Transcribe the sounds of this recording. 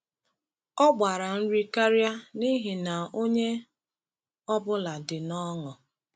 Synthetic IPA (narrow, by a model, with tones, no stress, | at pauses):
ɔ˦ɡ͡ba˨ɾa˨n̩˦ɾi˦ka˦ɾja˦ni˦ɦɪ˨na˨o˦ɲe˦ | ɔ˦bʊ˦la˨dɪ˨nɔ˦ŋɔ˨